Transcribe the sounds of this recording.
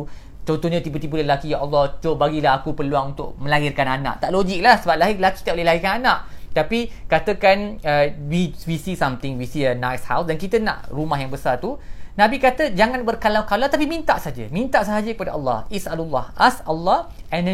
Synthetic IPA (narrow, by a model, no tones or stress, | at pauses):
t͡ʃɔnt̪ɔhɲãt̪ibət̪ibələəlakijaʔɑlːɔht͡ʃobaɡilaɦakupərluaŋunt̪ʊ̰ʔ̚mə̃laɦirkananã̰ʔt̪aʔloɡɪk̚lahsəbap̚laɦɪlaki̥t̪idaʔolehlaɦikananaʔt̪apikat̪əkanəwiwisisamt̪ɪŋwisiənajshawsdankit̪ənã̰ʔrumahjaŋbəsart̪unãbikat̪əd͡ʒaŋãnbərkalakalat̪apimĩnt̪aʔsɦad͡ʒə̰mĩnt̪aʔsəɦad͡ʒəkəpadaɑlːɑ̰hisalulːɑhʔasalːɑh | ɛn